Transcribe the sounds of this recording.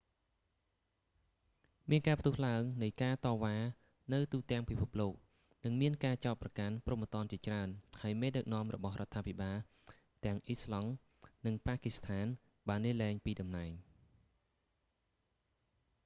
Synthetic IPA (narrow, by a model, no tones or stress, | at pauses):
miənkaːpʰt̪ʊəhlaəŋnɨjkaːt̪ɑːʋaː | nɨwt̪uːt̪ɛ̆əŋpipʰup̚loːk̚ | nɨŋmiənkaːt͡ɕaɔt̪̚prɑkanprumːət̪ŏənt͡ɕiət͡ɕraənhaəjmeːɗək̚nŏəmrɔ̰ɓɑhrŏət̪ʰːaːpʰiɓaːl | t̪ɛ̆əŋʔislɑŋ | nɨŋpaːkist̪ʰaːn | ɓaːnːiəlɛɛŋpiːɗɑmnaɛŋ